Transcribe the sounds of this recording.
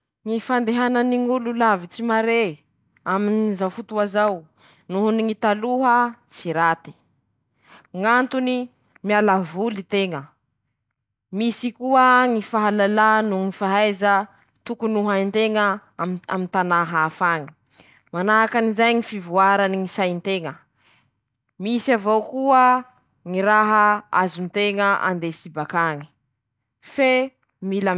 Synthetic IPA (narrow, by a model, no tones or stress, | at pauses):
ŋifand̪eɦanəniŋululavit͡simaɾe | aminizawfut̪uazaw | nuɦuniŋit̪aluɦət͡siɾat̪i̥ | ŋant̪uni | mialavulit̪eŋə | misikuəŋifaɦalalanuŋifaɦajzə | t̪ukunuɦant̪eŋəa̰mint̪anaɦaːfaŋi̥ | manaakanizajŋifivuaɾaniŋisajnt̪eŋə | misavokuə | ŋiɾaɦəa̰zunt̪eŋəʔa̰nd̪esibakaŋi̥ | fe | mila